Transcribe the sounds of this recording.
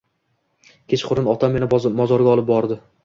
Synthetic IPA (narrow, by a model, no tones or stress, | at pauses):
kʲʰet͡ʃχʊɾɪnɒt̪ʰamːenɪmɒzɒɾɡʲaɒlˠɪp̚bɒɾd̪ɪ